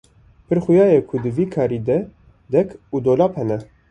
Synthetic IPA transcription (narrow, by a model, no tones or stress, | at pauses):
pʰɨɾxujɑːjekʰʊd̪ɨviːkʰɑːɾiːd̪ɛ | d̪ɛkʰuːd̪oːlɑːphɛnɛ